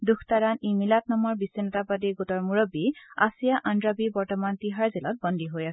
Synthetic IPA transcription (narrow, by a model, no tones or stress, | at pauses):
dukʰtaɹanimilatnamɔɹbisinɔtapadiɡutɔɹmuɹobiasijaʔandɹabibɔɹtɔmantiɦaɹzilɔt̚bɔndʱiɦojasɛ